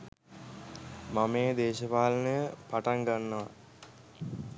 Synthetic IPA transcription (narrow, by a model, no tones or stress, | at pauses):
mameːd̪eːʃəpaːlənəpaʈaŋɡanːəʋa̰